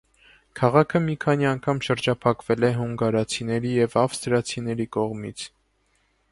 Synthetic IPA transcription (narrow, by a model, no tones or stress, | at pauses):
kʰɑʁɑkʰəmikʰɑniɑŋkʰɑmʃəɾd͡ʒɑpʰɑkv̥ɛlɛɦuŋɡɑɾɑt͡sʰinɛɾijɛvɑfst̪ɾɑt͡sʰin̪ɛɾikɔʁmit͡sʰ